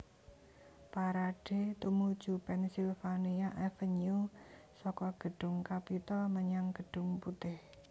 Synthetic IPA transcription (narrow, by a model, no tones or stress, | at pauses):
paɾaɖ̥e̤t̪umud̥ʒ̥ṳpɛnsilfaniaʔɛfəɲu | sɔkɔɡ̥ə̤ɖ̥ʊ̤ŋkapit̪ɔməɲaŋɡ̥əɖ̥ʊ̤ŋput̪ɪh